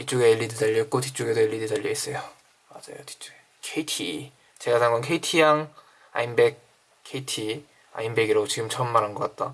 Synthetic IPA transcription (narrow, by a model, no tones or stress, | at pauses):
tit͡ɕ͈oɡeːʎːidɯd͡ʑaʎːik͈otʰi̥t͡ɕ͈oɡedoeʎːidɯtaʎːies͈ʌjo | mad͡ʑa̰jo̰tʰi̥t͡ɕ͈o̥ɡe | kʰeitʰi | t͡ɕe̞ɡasʰaŋɡankʰe̞itʰijaŋ | a̰inbe̞k̚ | kʰeitʰi | a̰imbeɡiɾot͡ɕiɡɯmt͡ɕʰʌnmanɦanɡʌk͈at̚t͈a